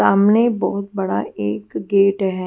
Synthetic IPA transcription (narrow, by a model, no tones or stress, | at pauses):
aːmnebɔːʊt̪̚bɐɽa̰eːkɡeːʈɦɛː